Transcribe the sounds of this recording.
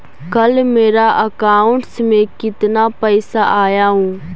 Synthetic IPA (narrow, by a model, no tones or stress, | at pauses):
kəlmeːɾaʔəkaːʊ̃ɳʈsmẽkɪt̪napəɪsaʔaːjaɦũː